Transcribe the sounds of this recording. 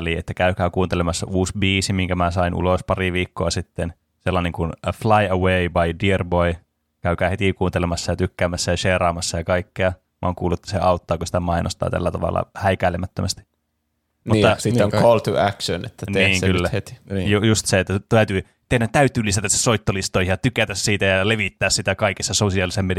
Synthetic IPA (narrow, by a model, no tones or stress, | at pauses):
liḛt̪ːækæykæːkuːnt̪elemɑsːɑ̰ʔuːsbiːsimiŋkæmæsɑinʔṵlospɑriʋiːkːoɑsit̪ːen | selːɑneŋkunflɑiəweibɑidierboi | kæykæːhet̪ikuːnt̪elemɑsːɑjɑt̪ykːæːmæsːæjɑʃeːrɑːmɑsːɑjɑkɑikːeɑ | mɑ̰ːŋkuːlːuet̪ːæ̥seɑut̪ːɑːkusi̥t̪æmɑinʔo̰st̪ɑ̰ːt̪æ̰lːæt̪ɑʋɑ̰lːɑ̰hæikæˑilemæt̪ːømæst̪i̥ | nmut̪ːɑsit̪ːoŋkolt̪uækʃønḛt̪ːæneiːŋylːæhet̪i̥jujust̪seet̪ːæt̪æyt̪yː | t̪ehnæt̪t̪æyt̪yːlisæt̪æsːesoit̪ːolist̪oihijɑt̪ykæt̪æssiːt̪æjɑleʋit̪ːæːssit̪ækɑikisːɑsosiɑlisemmed